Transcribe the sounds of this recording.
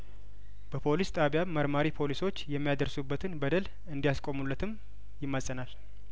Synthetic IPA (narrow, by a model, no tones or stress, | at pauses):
b̥əpʰo̞list̪ʼaβjamːəɾmaɾipʰo̞liso̞t͡ʃːjɛmːijad̪əɾsubːət̪ʰɨnbəd̪əl | ɨnd̪ijaskʼo̞mulːət̪ʰɨm | jɪmːasʼənal